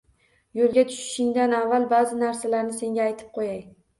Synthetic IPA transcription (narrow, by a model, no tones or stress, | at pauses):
jolˠɡʲat̪ʰʊ̥ʃɪ̥ʃɪŋd̪anavːalˠbazɪnaɾsalaɾnɪse̞ŋɡʲaːjt̪ʰɪ̥p̚qʰojaj